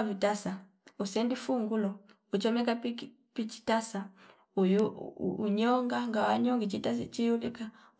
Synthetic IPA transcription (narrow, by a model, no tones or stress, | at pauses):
vitasa | usɛndifuŋɡulɔ | ut͡ʃɔmɛkapi | pit͡ʃi̥tasa | ujuuɲɔŋɡaŋɡawaɲɔŋɡit͡ʃitast͡ʃijulika